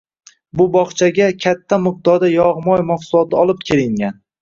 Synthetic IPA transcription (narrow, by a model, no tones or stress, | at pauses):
bʊbɒχt͡ʃʰaɡʲakʲʰat̪ʰːamɨq̚d̪ɒɾd̪ajɒʁmɒjmɒqsʊlˠɒt̪ʰɪɒlˠɪp̚kʲʰe̞ɾɪŋɡʲan